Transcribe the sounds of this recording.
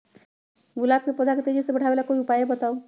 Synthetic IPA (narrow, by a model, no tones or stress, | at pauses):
ɡulab̚kepəd̪ʱaket̪ed͡ʒisẽbəʈʰabelakoiupajebət̪au